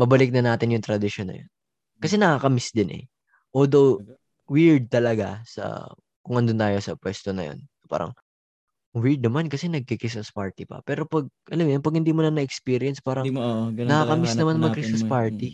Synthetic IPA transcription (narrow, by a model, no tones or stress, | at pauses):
mɐbɐlɪk̚nɐnaːt̪ɪnjʊŋt̪ɾɐd̪ɪʃonːɐ̰jo̰n | kɐsɛnɐkakɐmɪsd̪ɪnʔɛ̰ | ʔoːld̪ow | wɪɹd̪̚t̪ɐlɐɡasɐ̰ | kʊŋɐnd̪ʊnt̪aːjo̞sɐpwɛst̪onɐ̰jo̰n | pa̰ːɾɐ̰ŋ | wɪɹd̪̚nɐmankɐsɛnɐɡ̚kikɪsmɐspaɹt̪ɪpɐ̰pɛːɾo̞pɐɡ̚ʔɐlɐmjonpɐɡ̚hɪnd̪iːmonɐnɐʔɛkspiːɾɪɐnspaːɾɐŋnɐkaːkɐmɪsnɐmanmɐɡkɾɪsɐspaɹt̪i